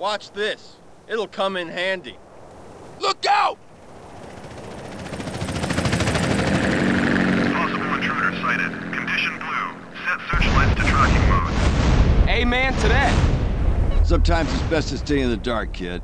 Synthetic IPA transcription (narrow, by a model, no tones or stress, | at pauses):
wɑt͡ʃðɪs | ɪɾl̩ˠkʰʌ̃mɨ̃nɦæ̃ndḭ | lʊk̚aʊt̚ | pʰɑsəbl̩ˠə̃ntʰɹ̥ʉɾə˞saɪɾɪ̰d̥̚kʰɨ̃n̩dɪʃɨ̃nblʉ | sɛtsɜ˞t͡ʃlaɪ̃tstʰɨtʰɹ̥kɪ̃ŋmoʊd̥ | eɪmæ̃ntʰɨɾeɪ | sʌ̃mtʰãɪ̃mzɨzbɛstɨsteɪɨ̃nðɨdɑɹkʰɪ̰d̥̚